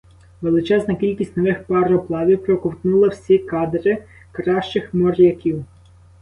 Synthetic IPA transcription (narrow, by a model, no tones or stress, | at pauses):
ʋelˠɪt͡ʃɛznɐkʲilʲkʲisʲtʲnɔʋɪxpɐɾɔplˠɑʋʲiwpɾɔkɔwt̪nulˠɐwsʲikɑd̪ɾɪ | kɾɑʃt͡ʃɪxmɔɾʲjɐkʲiw